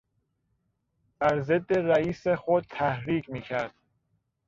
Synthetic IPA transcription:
b̥æɾzed̪ːeɾæiːsexod̪̚t̪ʰæhɾiːkʰmiːcʰæɾd̪̥

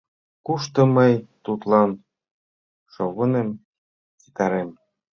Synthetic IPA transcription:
kuʃt̪ɤ̆mɤjt̪ut̪lɑn | ʃoɣɤ̆nem | t͡si̥t̪ɑɾem

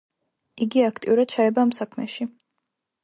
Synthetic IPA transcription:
iɡiakʰt̪ʼḭuɾad̪̥̚t͡ʃʰaɛbaːmsakʰmɛʃi

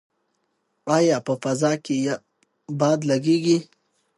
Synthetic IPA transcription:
ɑjɑpəfazɑkeja | bɑd̪laɡeɡi

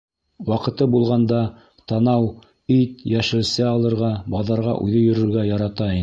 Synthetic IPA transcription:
wɑqɤ̆t̪ɤbulˠʁɑnd̪ɑ | t̪ɑnɑw | it̪jæʃɘ̆lsɘɑlˠɤ̆ɾʁɑbɑðɑɾʁɑ̰ʔʉ̰ðɘjɵ̆ɾɵ̆ɾɡæjɑɾɑt̪ɑin

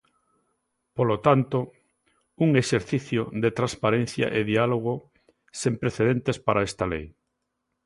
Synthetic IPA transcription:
polot̪ant̪o | uŋeʃeɾθiθjoðet̪ɾanspaɾen̟θja̰ʔeðialoɣ̞o | sempɾeθeðent̪espaɾaest̪alḛj

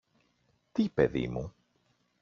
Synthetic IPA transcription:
t̪ipeðḭmu

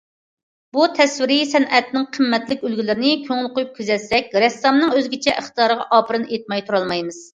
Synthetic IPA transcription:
but̪ʰɛswɪɾɪsɛnʔɛt̪nɪŋqʰəmːɛt̪lɪkʲølɡʲilɪɾɪnɪkʲʰøŋɪlˠqʰojup̚kʲʰyzɛsːɛk̚ʲɾɛsɑmnɨŋøzɡʲit͡ʃʰɛʔəχt̪əjɑːɾəʁɑʔɑːpʰɨɾɨnet̪̚mɑjt̪ʰuɾɑlˠmɑjmɨz̥

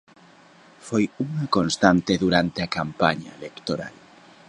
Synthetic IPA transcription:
fojuŋɐkonst̪ant̪eðuɾant̪eakampaɲa̰elekt̪oɾa̰l

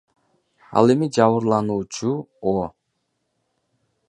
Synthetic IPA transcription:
ɑ̰lˠe̞mid͡ʒɑβɯɾlˠɑnuːt͡ʃuo

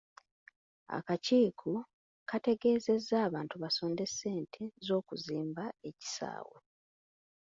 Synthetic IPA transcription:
a̰kaciːkʰu | kate̞ɡe̞ːze̞zːaːβaːntuβaso̞ːnde̞sːe̞ːntʰe̞zo̞ːkuziːmbae̞ci̥sa̰ːwḛ

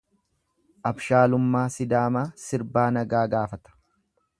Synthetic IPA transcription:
ʔɐbʃaːlʊmːaːsɪd̪aːmaːsɪɾbaːnɐɡaːɡaːfɐt̪ɐ̥

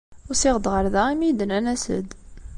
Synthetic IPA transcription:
ʊɾsɪʁəd̪ʁəɾðæimid̪nænæsə̰d̪

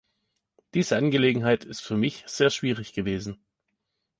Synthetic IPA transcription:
d̥iːz̥əanɡəleːɡŋ̩ɦaɪtʰɪstfyːɐmɪçz̥eːɐʃv̥iːʁ̞ɪçɡ̥əveːzn̩

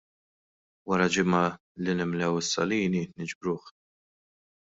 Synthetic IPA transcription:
wɐɾɐd͡ʒɪmɐ | linɪmlɛwɪsːɐ̰liːninɪd͡ʒbɾuːħ

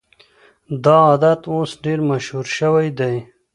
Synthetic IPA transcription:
d̪ɑːd̪at̪osɖeɾmaʃhuɾʃəwajd̪aj

